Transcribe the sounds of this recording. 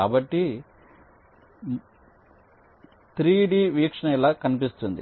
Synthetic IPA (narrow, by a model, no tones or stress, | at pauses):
aːbɐʈːi | t̪ɾiːɖiːʋiːkʂɐɳɐɛlaːkɐnipist̪und̪ḭ